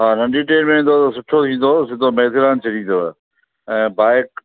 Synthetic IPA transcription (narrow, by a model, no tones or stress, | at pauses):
ɦaːnɐ̃ɳɖiːʈeːnmẽːnd̪ot̪ɐsʊʈʰot̪ʰĩːn̆d̪oːsɪd̪ʱomeːd̪ʰʱɪɾaːnt͡ɕʰɐɽĩːnd̪oː | ɛ̃ːbaːɪk̚